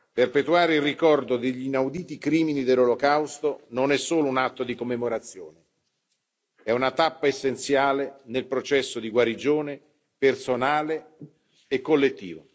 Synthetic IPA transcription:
perpet̪uaːɾeilrikɔrd̪od̪eʎːinawd̪iːt̪ikɾiːminid̪elːolokawst̪ononɛsːoːlounat̪ːod̪ikomːemoɾat̪sːjoːne | ɛunat̪apːaesːent̪sjaːlenelpɾot͡ʃɛsːod̪iɡwaɾid͡ʒoːne | personaːleː | kːolːet̪ːḭːvo

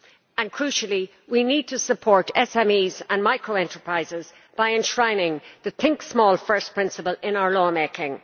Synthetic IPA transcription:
ə̃nkʰɹ̥ʉˑʃəlˠi | winid̚tʰəsəpʰɔːɹɾɛsɛ̃miːzə̃nmaɪkɹoʊɛ̃ntʰə˞pʰɹ̥aɪzɪz | b̥aɪɛ̃nʃɹãɪ̃nɪ̃ŋðəθɪ̃ŋksmɔːlˠfɜ˞spʰɹ̥ɪ̃nsəpəlɪ̃naʊə˞lɔːmeɪkɪ̃ŋ

